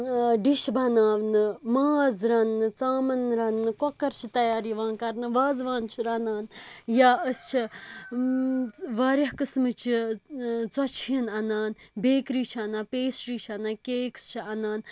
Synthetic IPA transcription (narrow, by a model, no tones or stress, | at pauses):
ɖiʃbɐnaːʋnɨmaːzɾɐnːɨt͡saːmɐnɾɐnːɨkɔkːɐɾt͡ʃʰit̪ɐjaːɾiʋãːnkɐɾnɨʋaːzʋãːnt͡ʃʰiɾɐnaːnjaːəst͡ʃʰi | ʋaːɾʲjɐɦkɨsmɨt͡ʃʰi | t͡sɐt͡ʃʰjɐnɐnaːnbeːkɾiːt͡ʃʰɐnãːpeːsɾiːt͡ʃʰɐnaːkeːkst͡ʃʰiɐnaːn